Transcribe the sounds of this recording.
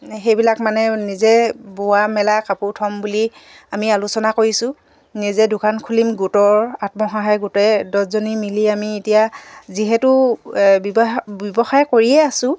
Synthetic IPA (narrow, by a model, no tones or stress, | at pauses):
xejbilakmanɛnizɛbowamɛlakaputʰɔmbuli | amialusɔnakoɹisʊ̃ | nizɛdʊkʰankʰulimɡutɔɹatmɔxaɦajɡutɛdɔzonimiliamietijaziɦɛtʊbbbɔbɔxajkoɹiɛasʊ̃